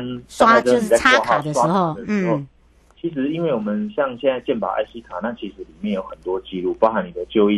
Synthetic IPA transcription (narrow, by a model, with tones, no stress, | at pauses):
na˥a˥˩ə˥˩ni˨˩a˥˧ɪɔ˥˧ɑ˨˩wa˥˧˨d̪ə˨˩ʂɻ̩˧˦ho˥˩ʊ | t͡ɕʰi˨˥ʂ̬ɻ̩˧˥i˥˦nwe˥˩ɪwɔ˨˩mə˨˦nɕjɑ˥˧ŋɕjɛ˥˧nt͡sa˥˧ɪt͡ɕjɛ˥˩npa̰˨˩ʔa̰˥˩ɪɕi˦˥t̪ʰa˨˩na˥˩t͡ɕʰi˨˥ʂɻ̩˨˧˦li˨˩mjɛ˥˩njo˧˦ʊxə˨˩nt̪wɔ˥t͡ɕi˧lu˥˩pa˥ʊxa˧˥ni˨˩d̪ə˦t͡ɕjo˥˧ʊi˥˨